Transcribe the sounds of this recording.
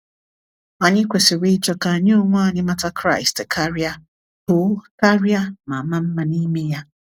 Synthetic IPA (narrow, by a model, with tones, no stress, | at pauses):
a˨ɲɪ˦kʷe˨sɪ˨wi˦t͡ʃɔ˦ka˨ɲe˦ʊ˦ŋʷa˦˨ɲɪ˦ma˦ta˦kɾa˦˨ɪ˨stkʰa˦ɾja˦ | to˨˦ka˦ɾi˦a˦ma˨ma˦m̩˦ma˦ni˦me˦ja˦